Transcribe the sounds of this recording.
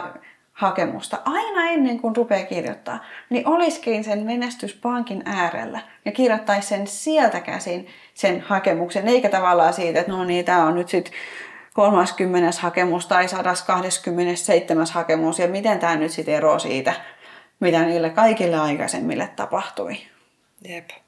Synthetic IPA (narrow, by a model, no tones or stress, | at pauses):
hɑkemṵst̪ɑʔɑinɑenːeŋkunrupeːkirjo̰t̪ːɑ̰ːniʔoliskiːnsenmenest̪yspɑŋkinæːrḛlːæ | jɑkirjot̪ːɑissensielt̪ækæ̰ːsin | senhɑkemukseneikæt̪ɑʋɑlːˑɑːsiːt̪et̪noniːt̪æːonnyt̪sit̪ | kolmɑskymːeneshɑkemust̪ɑisɑdɑskɑhdeskymːenesseit̪ːemæshɑkemusjɑmit̪ent̪æːnyt̪sit̪eroːsḭːt̪æ | mit̪æniːlːekɑikilːeɑikɑ̰sḛmːḭlːḛt̪tɑ̰pɑht̪ṵi | jep